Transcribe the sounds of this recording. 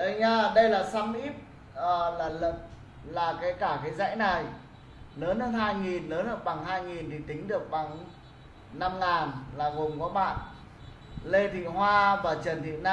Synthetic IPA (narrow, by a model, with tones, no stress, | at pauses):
ʔə˧˩ɲaː˧ɗə˧jlaː˨˩sa˧mʔi˦˥p̚ | əː˨˩laː˨˩lə˨˩p̚ | laː˨˩kaː˨˦jkaː˧˩kaː˨˦jza̰˧˥jna˨˩j | ləː˨˦nhə˨˧nɦaː˧jŋi˨˩nləː˨˦nə˨˩ək̚ɓa˨˩ŋɦaː˧jŋi˨˩nt̪ʰi˨˩t̪ï˨˦ŋ̟ɗɨ˨˩ək̚ɓa˨˩ŋ | na˧mŋaː˨˩nlaː˨˩ɣo˨˩mkɔ˨˦ɓa̰ː˧˨n | le˧t̪ʰḭ˧˨hwaː˧vaː˨˩t͡ɕə˨˩nt̪ʰḭ˧˨naː˧